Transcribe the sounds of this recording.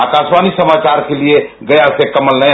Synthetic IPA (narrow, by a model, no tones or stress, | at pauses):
akasmanisəmat͡ʃaɾkelieɡəjasekəməlnə